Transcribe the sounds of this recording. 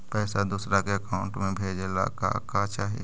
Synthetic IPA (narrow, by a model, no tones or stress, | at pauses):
pɛːsad̪uːsɾakeəkaːʊ̃ɳʈmẽbʱeːd͡ʒela̰ka̰kat͡ʃaːɦḭ